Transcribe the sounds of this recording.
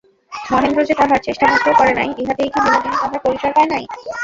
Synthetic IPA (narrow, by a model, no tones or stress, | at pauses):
mɔɦend̪ɾod͡ʑet̪ɔɾɦaɾt͡ɕeʃʈamut̪ːɾekɔɾenajʔeɦat̪eejkʰib̪inod̪inik̪ɔɦaɾkobit͡ɕaɾpaenaj